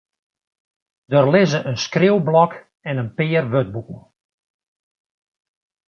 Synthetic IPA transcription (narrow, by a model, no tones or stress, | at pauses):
d̥ərlɪzəʔənskrɪwblɔk | ɛnənpɪːərʋøt̚bukən̩ˠ